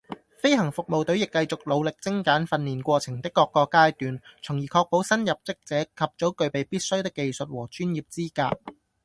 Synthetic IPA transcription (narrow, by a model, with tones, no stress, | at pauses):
fe˥jɦɐ˨˩ŋfʊ˨k̚mo˨wt̪ɵ˨˥wjɪ˨kːɐ˧jt͡sʊ˨k̚lo˨˧wlɪ˨k̚t͡sɪ˥ŋkaː˨˥nfɐ˧nliː˨˩nkʷɔː˧t͡sʰɪ˨˩ŋt̪ɪ˥kːɔː˧kːɔː˧kaː˥jt̪yː˨nt͡sʰʊ˨˩ŋjiː˨˩kʰɔː˧k̚po˨˥wsɐ˥njɐ˨p̚t͡sɪ˥k̚t͡sɛː˨˥kʰɐ˨p̚t͡so˨˥wkɵ˨˧ɥpe˨jpiː˥t̚sɵ˥ɥt̪ɪ˥kːe˧jsɵ˨t̚wɔː˨˩t͡ʃyː˥njiː˨p̚t͡siː˥ka̰ː˧t̚